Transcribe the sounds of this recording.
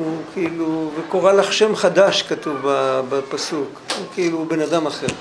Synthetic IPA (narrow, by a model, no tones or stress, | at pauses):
ukʰiiluvekoʁalaχʃe̞mχad̪aʃkat̪uvbabapasukukiilubenad̪amaχe̞ʁ